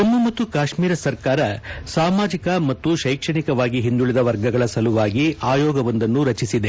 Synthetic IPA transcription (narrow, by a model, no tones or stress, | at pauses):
ɐmːumɐt̪ːukaːʂmiːɾɐsɐɾkaːɾɐsaːmaːd͡ʒikɐmɐt̪ːuʃɐjkʂɐɳikɐʋaːɡiɦind̪uɭid̪ɐʋɐɾɡɐɡɐɭɐsɐluʋaːɡiaːjɔːɡɐʋɐnd̪ɐnːuɾɐt͡ʃisid̪e